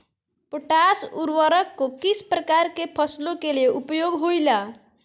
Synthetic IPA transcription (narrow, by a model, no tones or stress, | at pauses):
poʈasuɾwəɾəkːokisʰpɾəkaɾkepʰʌslokeleʔupjoɡɦojla